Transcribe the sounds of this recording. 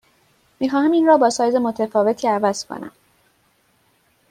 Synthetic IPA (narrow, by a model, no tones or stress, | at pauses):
miːxɒːhæmiːnrɒːbɒːsɒːjze̞mo̞t̪ʰefɒːve̞t̪ʰiːævæz̥kʰo̰næ̰m